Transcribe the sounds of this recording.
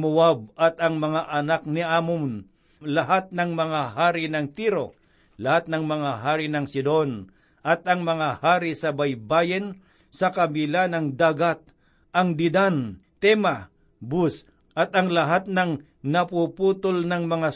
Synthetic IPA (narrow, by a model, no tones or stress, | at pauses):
mʊwab̚ɐt̪ɐŋmɐŋaʔɐnak̚nɪʔaːmʊmn | lɐɦat̪̚nɐŋmɐŋaɦaːɾɪnɐŋt̪iɾo | lɐhat̪̚nɐŋmɐŋaɦaːɾɪnɐŋsɪd̪on | ʔɐt̪ɐŋmɐŋahaːɾɪsɐbajbaːjɪn | sɐkɐbɪlanɐŋd̪aːɡat̪̚ | ʔɐŋd̪ɪd̪ant̪ɛma | bus | ʔɐt̪ɐŋlɐɦat̪̚nɐŋ | nɐpuput̪olnɐŋmɐŋa